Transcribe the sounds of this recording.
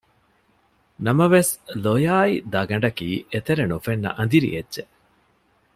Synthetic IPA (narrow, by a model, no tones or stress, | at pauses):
nɐmɐʋeslojaːid̪ɐɡɐɳɖɐkiːʔet̪eɾenufenːɐ̰ʔɐnd̪iɾḭedːʒe